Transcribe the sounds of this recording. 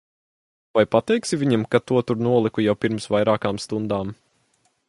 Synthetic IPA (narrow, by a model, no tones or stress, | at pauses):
vajpat̪ɛjksivʲiɲamkat̪uɔt̪uɾnuɔlˠikujawpiɾmsvajɾaːkaːmst̪und̪aːm